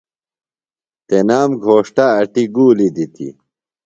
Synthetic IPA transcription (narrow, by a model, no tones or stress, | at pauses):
t̪enaːmɡʱoːʂʈaːʈiɡuːlid̪it̪ḭ